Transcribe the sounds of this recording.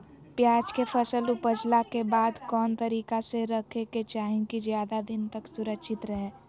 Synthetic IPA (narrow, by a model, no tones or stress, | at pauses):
pjaːd͡ʒkepʰəsəlupəd͡ʒlakebaːd̪kɔːnt̪əɾiːkaseɾəkʰeket͡ʃaːɦĩkizjaːd̪ad̪ɪnt̪əksʊɾəkʃɪt̪ɾəɦeː